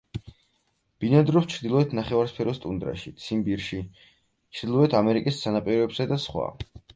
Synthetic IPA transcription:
b̥inand̪ɾɔpst͡ʃʰɾd̪ilˠɔɛt̪ʰnaχɛvaɾspʰɛɾɔst̪ʼund̪ɾa̰ʃit̪sʰimbiɾʃi | t͡ʃʰɾd̪ilˠɔɛt̪ʰamɛɾikʼist̪sʰanapʼiɾɔɛbsad̪asχwa̰

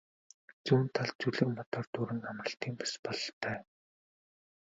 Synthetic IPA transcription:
t͡suːnt̪ʰaɮt͡suɮɘ̆kmɔt̪ɔːrt̪uɾɘ̆namrə̆ɬt̪iːmpḁspɔɮɞɬt̪ʰœː

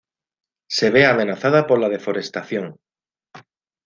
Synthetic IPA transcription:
seβ̞eamenaθað̞apolað̞efoɾest̪aθjõŋ

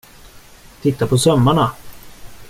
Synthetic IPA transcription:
t̪ʰɪt̪ːapʰɔsœmːaɳa

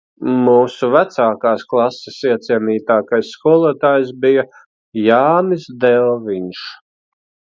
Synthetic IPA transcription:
muːsuvæt̪saːkaːsklˠɑsːesiɛt̪siɛniːt̪aːkajsːkuɔlˠuɔt̪aːjsbija | jaːnisd̪ɛlˠviɲʃ

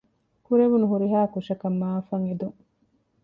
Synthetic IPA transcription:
kuɾeʋunuɦuɾiɦaːkuʃɐkɐmːaːfɐŋed̪uŋ

